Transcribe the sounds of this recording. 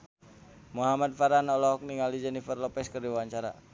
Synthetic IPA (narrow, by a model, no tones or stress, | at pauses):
muɦamad̪̚faɾanɔlɔɦɔk̚niŋalid͡ʒɛnifərlɔpɛskərdiwaɲt͡ʃaɾa